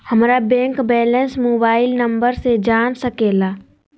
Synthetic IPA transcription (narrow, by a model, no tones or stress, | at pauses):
hɐmɾabɛ̃ːŋkbɛːlɛ̃nsmoːbaːɪlnɐ̃mbəɾsed͡ʒaːnsɐkeːlaː